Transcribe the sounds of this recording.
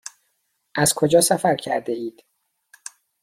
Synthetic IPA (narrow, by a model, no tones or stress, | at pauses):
ʔæz̥kʰo̞d͡ʒɒːsæfæɾcʰæɾd̪eiːd̪̥